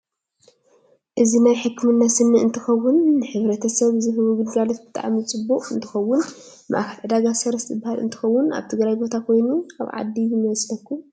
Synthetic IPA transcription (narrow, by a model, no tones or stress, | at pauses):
ʔɨzinajħɨkːmɨnːasɨnːɨɨnt̪ʰɨxɐwːʊnːɨħɨβɾɐt̪ʰɐsɐβzɨɦɨβuɡɨd̪ɡalot̪̚bɨt̪ʰa̰ʔamɨt͡sʼɨbːuʔʼɨnt̪ʰɨxɐwːʊn | ma̰ʔaxʰɐlʕɨd̪aɡasɐɾɐst̪zɨbːahalɨ̰nt̪ʰɨ̥xɐwːʊna̰βt̪ʰɨɡɾajbo̞t̪ʰakʰo̞jnua̰βʕa̰d̪ːiɨmɨβɐslɐkːu